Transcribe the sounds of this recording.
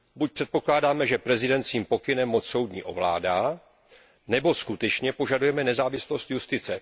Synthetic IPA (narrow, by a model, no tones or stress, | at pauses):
buc̚pr̥ɛt̪̚po̞klaːdaːmɛʒɛpɾɛzɪdɛnt͡skiːmpo̞kɪnɛmːot͡sso̞wdɲḭːʔo̞̰vla̰ːdaː | nɛbo̞skut̪ɛt͡ʃɲɛpo̞ʒadujɛmɛnɛzaːvɪslo̞st̪just̪ɪt͡sɛ